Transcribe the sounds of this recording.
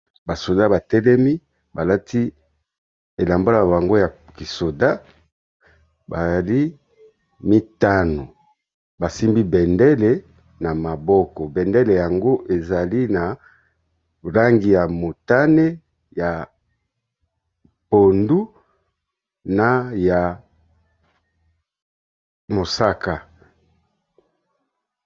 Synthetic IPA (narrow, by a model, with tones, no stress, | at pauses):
ba˨so˨da˦ba˨tɛ˦lɛ˦mi˦ | ba˨la˦ti˦ | e˨la˨mba˦a˦˨a˨ba˨ŋɡo˦ja˨ki˨so˨da˦ | ba˨za˨li˦ | mi˦ta˦no˨ | ba˨si˦mbi˦bɛ˨ndɛ˦le˨ | na˨ma˨bɔ˦kɔ˨bɛ˨ndɛ˦le˨ja˨ŋɡo˦ʔe˨za˨li˦na˨ | ʁa˦ŋɡi˨ja˨mo˨ta˦ne˦ | ja˨ | po˨ndu˦ | na˦ja˨ | mo˨sa˦ka˨